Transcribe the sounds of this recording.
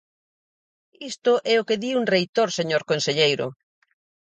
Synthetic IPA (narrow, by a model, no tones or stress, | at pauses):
ist̪ʊʔɛokeðiuŋrejt̪oɾseɲoɾkonseʎejɾʊ̰